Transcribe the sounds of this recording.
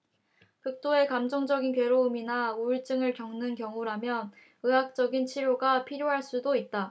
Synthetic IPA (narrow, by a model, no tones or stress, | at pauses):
kɯk̚t͈oe̞kamd͡ʑʌŋd͡ʑʌɡinkwe̞ɾoɯminauɭt͡ɕ͈ɯŋɯɭkjʌŋnɯnkjʌŋuɾamjʌn | ɯɦak̚t͡ɕ͈ʌɡint͡ɕʰiɾjoɡapʰiɾjoɦaɭs͈udoit̚t͈a